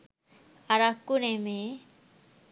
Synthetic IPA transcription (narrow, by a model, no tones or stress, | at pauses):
aɾakːuneme